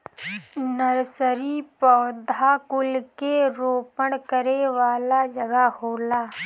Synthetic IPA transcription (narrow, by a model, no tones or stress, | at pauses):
nəɾsəɾipɔːd̪ʱakʊlkeɾoːpəɽ̃kəɾeʋaːlad͡ʒəɡahoːlaː